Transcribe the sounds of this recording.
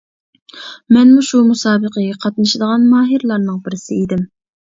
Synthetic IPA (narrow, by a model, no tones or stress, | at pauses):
mɛnmuʃumusɑːbəqʰəɡʲɛqʰɑt̪̚nɨʃid̪əʁɑnmɑːɦɨɾlˠɑɾnɨŋbɪɾɪsɪid̪ɪm